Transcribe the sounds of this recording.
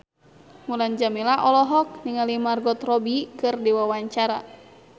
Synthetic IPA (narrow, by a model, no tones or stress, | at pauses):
muland͡ʒamilaʔɔlɔɦɔk̚niŋalimarɡɔt̪rɔbikɨrdiwawaɲt͡ʃaɾa̰